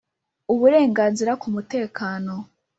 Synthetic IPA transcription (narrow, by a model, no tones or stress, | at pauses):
uβuɾe̞ːŋɡaːnziɾakumute̞ːkʰaːno̞